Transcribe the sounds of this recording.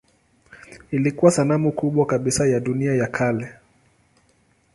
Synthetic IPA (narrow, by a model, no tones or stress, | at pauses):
ilikuwasanamukuɓwakaɓisajaɗuniajakʰalɛ